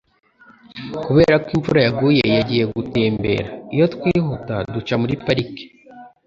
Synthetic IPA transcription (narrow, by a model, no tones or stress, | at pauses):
kuβe̞ːɾakwiɱfuɾajaɡuje̞jaɟije̞ɡuteːmbe̞̰ːɾaijo̞twiːɦutadut͡ʃamuɾipaɾike̥